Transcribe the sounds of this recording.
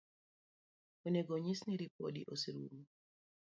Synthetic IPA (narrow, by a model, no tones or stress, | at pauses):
oneɡoɲisniɾipo̰dḭʔosiɾṵmu